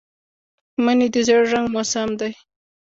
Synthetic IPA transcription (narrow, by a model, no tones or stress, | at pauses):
manid̪əzaɽʒaŋɡmosamd̪aj